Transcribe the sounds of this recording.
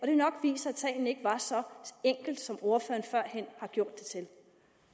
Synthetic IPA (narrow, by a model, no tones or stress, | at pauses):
ɒɾ̥e̝nɒ̽ɡ̥ʋḭːsɐæd̥sʰɛ̰ːɪn̩e̝ɡ̥ʋɑ̈sɒ̽eŋ̰ɡ̥l̩d̥sɒ̽mo̝ɐfø̰ːɐnfɶɐ̰hen̰hɑ̈ɡ̥jo̝ɐ̰d̥ːe̝t͡sʰe̝l